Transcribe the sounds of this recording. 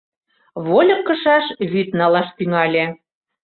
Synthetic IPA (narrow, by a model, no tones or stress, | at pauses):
βolʲɤ̆kːɤ̆ʃɑʃβyt̪nɑlɑʃt̪yŋɑlʲe